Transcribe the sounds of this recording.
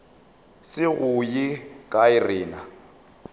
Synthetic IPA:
sɪɣʊjɪkʼaɪrɪːna

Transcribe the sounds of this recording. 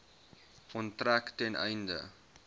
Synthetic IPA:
kɔntræktɛnʔɛ̰jndə̰

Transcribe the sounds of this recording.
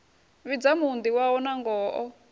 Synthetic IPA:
βid͡zamund̪iwaɔnaŋɡɔːʔɔ

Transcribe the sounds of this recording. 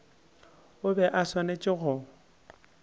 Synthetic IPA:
ʊbɛʔaswanet͡ʃʼɪɣʊ

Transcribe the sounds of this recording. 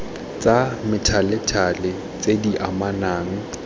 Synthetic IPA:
t͡sʼamɪtʰalɪtʰalɪ | t͡sʼediʔamanaːŋ̩

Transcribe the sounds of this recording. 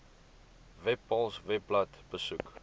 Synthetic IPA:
vɛpːɔ̃lsvɛplatb̥əsuk

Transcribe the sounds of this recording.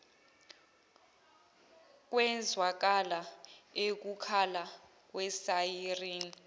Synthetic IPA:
k̬wɛnd͡zʱwak̬alaek̬ukʰala | k̬wɛsajiriːni

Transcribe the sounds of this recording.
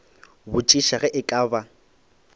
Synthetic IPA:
bʊt͡ʃʼiʃaɣɛʔɪkʼaːba

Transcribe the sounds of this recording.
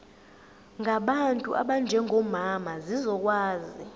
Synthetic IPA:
ŋɡʱaɓantʼṵʔa̰ɓand͡ʒʱɛŋʱɔmamazizɔk̬ʼwaːzi

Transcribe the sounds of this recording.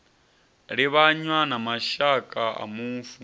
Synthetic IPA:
ɺiβaɲwanamaʃakʼaʔa̰muːɱfu

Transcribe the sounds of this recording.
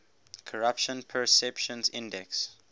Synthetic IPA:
kʰɔɹapʃɔ̃npʰɛsɛpʃɔ̃nzĩndɛks

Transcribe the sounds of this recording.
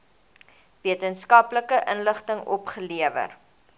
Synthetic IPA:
viətənskɐpləkəʔənləχtəŋɔ̰pχəliəvə̰r

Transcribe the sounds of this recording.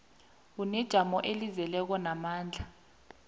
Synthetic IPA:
k̬unɛd̥ʒ̥ʱamɔʔelizɛlɛk̬ɔnamaːnd͡ɮʱa

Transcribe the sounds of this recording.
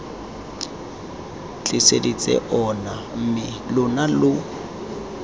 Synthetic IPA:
t͡ɬʼɪsedit͡sʼɛ̰ʔɔnam̩mɪ | lʊnalʊ

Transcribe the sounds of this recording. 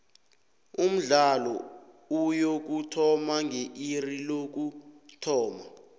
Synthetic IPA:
um̩ɮalɔ | ujok̬utʰɔmaŋʱeʔirilok̬utʰɔːma

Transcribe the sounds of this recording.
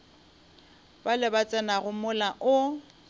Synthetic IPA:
b̥alɪbat͡sʼɛnaɣʊmʊlaʔʊ

